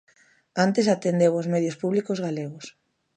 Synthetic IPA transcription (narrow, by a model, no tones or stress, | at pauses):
ant̪esat̪end̪ewozmeðjospuβlikozɣaleɣ̞ʊs